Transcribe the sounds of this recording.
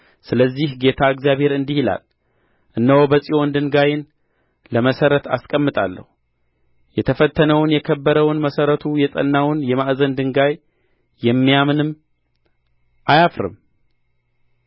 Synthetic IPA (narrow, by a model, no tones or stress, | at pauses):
sɨləzːihɡe̞t̪ʰaɨɡzijaβhe̞ɾɨnd̪ihila̰l | ʔɨnːəwobəsʼiwo̞nd̪ɨŋɡajɪn | ləməsəɾət̪ʰa̰skʼəmːɨt̪ʼa̰lːə̰hu | jɛt̪ʰəfət̪ʰːənəwnjɛkʰəbːəɾəwnməsəɾət̪ʰujɛsʼə̰nːawʊnjɛmaʔzənd̪ɨŋɡaj | jɛmːijamɨnɨm | ʔajafɾɨ̰m